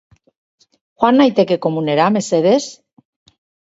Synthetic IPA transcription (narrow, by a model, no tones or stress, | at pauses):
xwanːajt̪ekekomuneɾameseðes